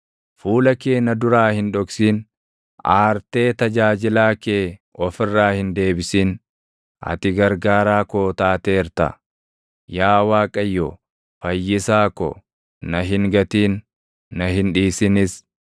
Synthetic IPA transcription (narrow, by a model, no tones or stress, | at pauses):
fuːlɐkeːnɐd̪ʊɾaːhɪnᶑɔksiːn | aːɾt̪e̞ːt̪ɐd͡ʒaːd͡ʒɪlaːke̞ːɔfɪrːaːhɪnd̪e̞ːbɪsiːn | ʔɐ̰t̪ɪɡɐɾɡaːɾaːkoːt̪aːt̪eːɾt̪ɐ̰ | jaːwaːkʼɐjːɔ | fɐjːɪsaːkɔ̰ | nɐɦɪŋɡɐt̪iːnː | ɐɦɪnᶑiːsɪnɪs